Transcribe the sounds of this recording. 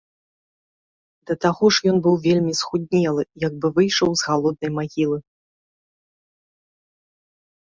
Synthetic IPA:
d̪ɐt̪aɣɔʂjɔnbɨwvʲelʲmʲisxud̪ʲnʲɛlˠɨjɐɡ̚bɨvɨjʂɐwzɣalˠɔd̪̚nɐjmaɣʲilˠɨ

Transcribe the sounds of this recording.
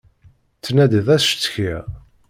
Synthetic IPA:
t͡sːnæd̪iðæsʃt͡sːçiʁ

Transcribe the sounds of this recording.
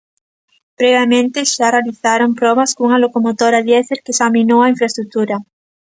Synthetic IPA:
pɾeβjamẽnt̪eʃarealiθaɾompɾoβaskuŋalokomot̪oɾaðjeθeɾkesamĩnowaiɱfɾaest̪ɾuk̚t̪uɾa

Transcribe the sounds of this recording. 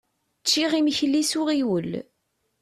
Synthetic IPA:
t͡ʃːiʁimçəlːisʊʁiwəl

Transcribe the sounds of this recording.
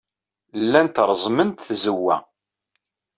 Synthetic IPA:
lːænt̪ɾˤzˤmənt̪θzəwːæ̰

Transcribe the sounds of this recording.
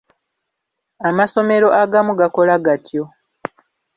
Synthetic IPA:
amaso̞me̞ɾo̞ʔaɡamuɡako̞laɡatjo̞

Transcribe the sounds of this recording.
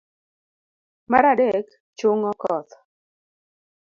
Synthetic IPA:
maɾadɛk | t͡ʃʊŋɔkɔt̪

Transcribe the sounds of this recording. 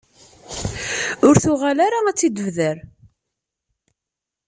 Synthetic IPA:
ʊɾθʊʁalaɾaæt͡sːid̪əvðəɾ

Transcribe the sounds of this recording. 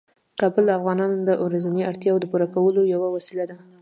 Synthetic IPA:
kɑbəld̪afɣɑnɑnd̪əʔoɾazaniaɾt̪jɑwod̪əpuɾakawəlojawawasilad̪a

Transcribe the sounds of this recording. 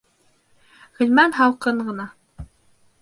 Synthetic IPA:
hɘ̆lmænɦɑwˠqɤɴɢɤ̆nɑ

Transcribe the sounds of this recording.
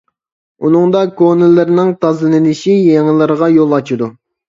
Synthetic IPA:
unɨŋd̪ɑkonɪlːɪɾnɪŋt̪ʰɑzlɨnɪnɪʃijeŋlˠɨɾəʁɑjolˠɑt͡ʃʰid̪u

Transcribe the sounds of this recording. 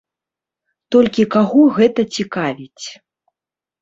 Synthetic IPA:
t̪ɔlʲkʲikaɣɔɣɛt̪ɐt͡sʲikavʲit͡sʲ

